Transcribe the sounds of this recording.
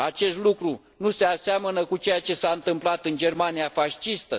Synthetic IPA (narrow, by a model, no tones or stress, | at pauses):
at͡ʃe̞st̪lukɾu | nuse̞aseamənəkut͡ʃe̞jat͡ʃe̞saɨnt̪ɨmplat̪ɨnd͡ʒe̞rmanijafaʃt͡ʃist̪ə